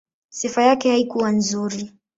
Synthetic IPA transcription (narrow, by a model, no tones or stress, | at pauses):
sifajakɛhaikuwanzuɾi